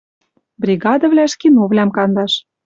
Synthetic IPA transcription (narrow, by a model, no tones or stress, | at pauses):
brʲiɣɑd̪ə̆βlʲæʃkinoβlʲæmkɑnd̪ɑʃ